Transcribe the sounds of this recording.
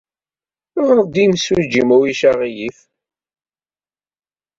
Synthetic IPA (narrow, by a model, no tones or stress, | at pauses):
ʊʁɾd̪imswud͡ʒimæwiʃaʁijif